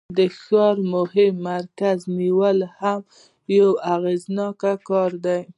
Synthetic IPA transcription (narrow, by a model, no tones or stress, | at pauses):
d̪əxɑɾmʊhɪmːaɾkazniwəlham | jawaɣeznɑkakɑɾd̪aj